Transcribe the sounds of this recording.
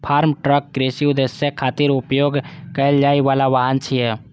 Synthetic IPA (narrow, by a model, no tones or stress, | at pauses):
pʰaːɾmʈɾəkːɾeːsiʊd̪esjekʰaːt̪iɾʊpjoːɡkəəld͡ʒaːiʋaːlaʋaːɦənt͡ʃʰiɦɛː